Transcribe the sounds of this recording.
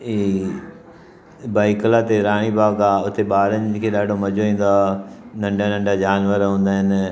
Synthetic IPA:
iː | baːɪklat̪eɾaːɽ̃ibaːɡaʊt̪eɓaːɾənɪ̆kʰeːɗaːɖʱomɐd͡ʑoʋĩːn̆d̪anɐ̃ɳɖʱanɐ̃ɳɖad͡ʑaːnʋəɾɦũːnd̪aːɦɪnɪ

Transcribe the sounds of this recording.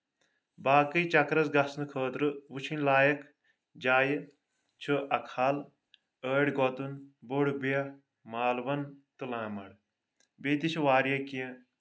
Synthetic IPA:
baːkɨjt͡ʃɐkɾɐzɡɐsnɨkʰəːt̪ɾɨʋut͡ʃʰinlaːjɐk | d͡ʒaːj | t͡ʃʰɨʔɐkʰal | əːɽɡɔt̪unboɽbijɐ | maːlʋɐnt̪ɨlãːmɐ̰ɽ | beːt̪it͡ʃʰuʋaːɾjɐkijɐ̃

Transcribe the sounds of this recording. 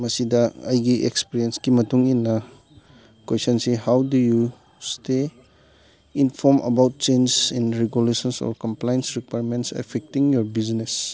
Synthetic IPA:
mɐsidɐɐ̰jɡiʔekspiɾienskimɐtuŋinːɐ | kwesɔnsehawduju | ste | inpʰɔmʔɐ̰bawt̚t͡ʃensinɾeɡjulesɔnsɔ̰ɾkɔmplajnsɾikwajɾmentsḛpʰek̚tiŋjɔɾbiznes

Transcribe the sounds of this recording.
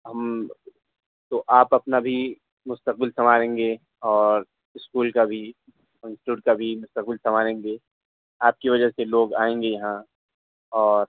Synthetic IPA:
ɦɐm | t̪oʔaːpɐpnabʱi | mʊst̪əq̚bɪlsɐmaːɾẽːŋɡeː | ɔːɾ | ɪskuːlkabʱi | ɪ̃nsʈʈuːʈ̚kabʱimʊst̪əq̚bɪlsɐmaːɾẽːŋɡeː | aːp̚kiʋɐd͡ʒəseloːɡa̰ːẽːŋ̆ɡejɐɦã | ɔːɾ

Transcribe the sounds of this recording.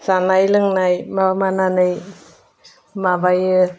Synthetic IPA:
sanajlɯŋnajmamananɯj | mabajɯ

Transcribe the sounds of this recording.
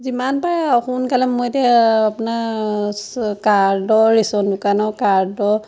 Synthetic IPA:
zimanpaɹaxunkalɛmojtɛapuna | kaɹdɔɹisɔndʊkanɔkaɹdɔ

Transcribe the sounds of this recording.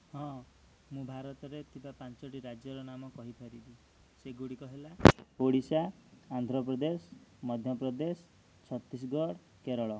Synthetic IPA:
ɦɔ̃ | mũbʱaɾɔt̪ɔɾet̪ibapant͡ʃɔʈiɾad͡ʒjɔɾɔnamɔkɔɦipʰeɾib̪i | seɡuɽikɔɦelapoɽisaːnd̪ʱɾɔpɾɔd̪esmɔd̪ʱjɔpɾɔd̪es | t͡ʃʰɔt̪ːis̬ɡɔɽ | keɾɔɭɔ

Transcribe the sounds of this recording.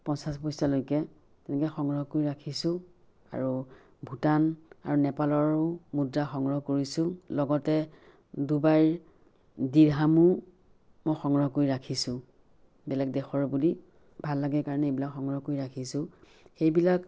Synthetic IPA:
pɔnsaspɔjsalojkɛ | tɛnɛkɛxɔŋɹɔɦkojiɹakʰisʊ̃ | a̰ɹu | bʱutana̰ɹunɛpalɔɹʊmudɹaxɔŋɹɔɦkoɹisʊ̃lɔɡɔtɛ | dubaɹ | diɹɦamu | mojxɔŋɹɔɦɔkojɹakʰisʊ̃ | bɛlɛk̚dɛxɔɹbuli | bʱalːaɡɛkaɹɔnɛebilakxɔŋɹɔɦɔkojɹakʰisʊ̃ | xejbilak

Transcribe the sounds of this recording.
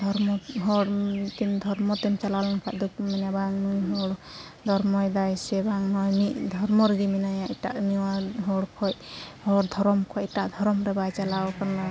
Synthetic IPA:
d̪ʱɔɾmɔɦɔɽt̪imd̪ʱɔɾmɔt̪ɛmt͡ʃalalɔnkʰaʔ̚d̪uk̚mɛnabaŋnɔjɦɔɽ | d̪ʱɔɾmɔjd̪ajsɛbaŋnɔjniʔd̪ʱɔɾmɔɾɡiminajaitaʔniwaɦɔɽkʰɔj̚hɔɽd̪ʱɔɾɔmkʰɔc̚iʈaʔd̪ʱɔɾɔmɾɛbajt͡ʃalawkana

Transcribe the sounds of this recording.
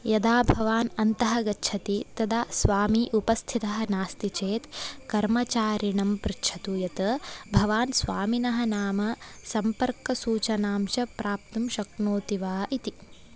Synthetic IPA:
jɐd̪aːbʱɐʋaːnɐnt̪ɐɦɐɡɐtːʃʰɐt̪it̪ɐd̪aːsʋaːmiʔupɐst̪ʰit̪ɐɦɐnaːst̪it͡ʃeːt̪kɐɾmɐt͡ʃaːɾiɳɐmpɾitʃʰɐt̪ujɐt̪ɐbʱɐʋaːnsʋaːminɐɦɐnaːmɐsɐmpɐɾkɐsuːt͡ʃɐnaːmʃɐpɾaːpt̪umʃɐknoːt̪iʋaːʔit̪i

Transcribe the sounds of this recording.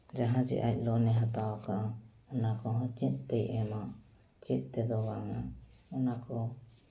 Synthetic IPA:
d͡ʒaɦãd͡ʒɛ̰ʔac̚ˀlɔnɛɦat̪awkaʔa | ɔnakɔɦɔ̃t͡ʃit̪̚t̪ɛjʔɛma | t͡ʃit̪̚ˀt̪ɛd̪ɔbaŋaɔnakɔ

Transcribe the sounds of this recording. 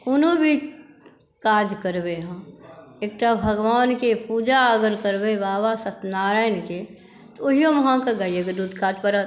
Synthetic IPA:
ʊnõbʱi | kaːd͡ʒkəɾbeɦãeːk̚ʈ̪abʱəɡʋaːnkepuːd͡ʒaəɡəɾkəɾbebaːʋasət̪naːɾaːjnke | t̪ooɦijõmɐɦãkaɡəjeɡəd̪uːd̪ʱkaːd͡ʒpəɾa

